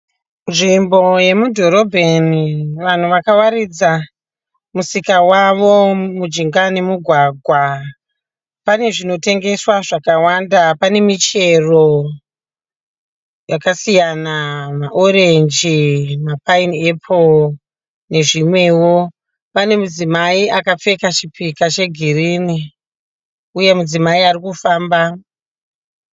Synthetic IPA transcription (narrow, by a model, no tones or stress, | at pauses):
nʐimbo̞je̞mudʱoɾo̞bʱeniʋan̤uʋakawaɾid͡za | musikawaʋo̞mud͡ʒiŋɡane̞muɡʱwaɡʱwa | pane̞ʐino̞te̞ŋɡe̞swaʐakawandapane̞mit͡ʃe̞ro | jakasijanamaʔo̞ɾe̞nd͡ʒimapaine̞pʰo | ne̞ʐimwe̞wo̞ | pane̞mud͡zimaiakap͡fe̞kat͡ʃipikat͡ʃe̞ɡʱirini | uje̞mud͡zimaiarikufaːmba